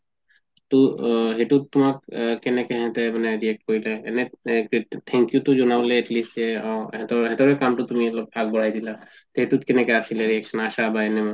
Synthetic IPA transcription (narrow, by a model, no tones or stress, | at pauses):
t̪uɦeʈut̪̚t̪ːumakkɛnɛkɛɦɛ̃t̪ɛmanɛɾiek̚ʈkɔɹilaḛneet̪ʰɛ̃ŋkjut̪ud͡ʒɔnaleːʈlisea̰ɦɛ̃t̪ɔɦɛ̃t̪ɔɾekamʈɔt̪umiɛlɔb̚pʰaɡ̚bɔɽ̤ajd̪ila | t̪ɦeʈut̪̚kɛnɛkɛasʰileɾieksʰɔnaʃabaenɛma